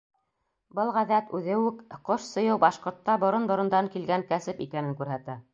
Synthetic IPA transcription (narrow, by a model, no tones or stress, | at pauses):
bɤlˠʁæðæt̪ʉðɘ̆wɘkqoʃsɤ̆jɤwbɑʃqŏɾt̪ːɑbŏɾonbŏɾɤ̆nd̪ɑŋkilɡæŋkæsɘpḭkænɘŋkʉɾɦæt̪æ